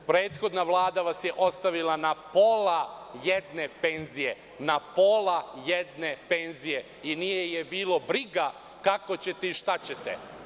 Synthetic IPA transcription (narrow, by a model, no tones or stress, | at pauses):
pɾe̞ːt̪xo̞d̪naʋlˠaːd̪aʋasje̞ʔo̞st̪aʋilˠanapo̞lajed̪ne̞peːnzije̞ | napo̞lajed̪ne̞pe̞nzije | inijejebiːlo̞bɾiɡa | kako̞t͡ɕe̞t̪eiʃt̪at͡ɕe̞t̪ḛ